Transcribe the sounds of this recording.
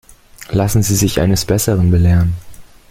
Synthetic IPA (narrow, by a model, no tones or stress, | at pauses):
lasn̩ziːzɪçʔa̰ɪnəsb̥ɛsəʁənbəlɛːʁən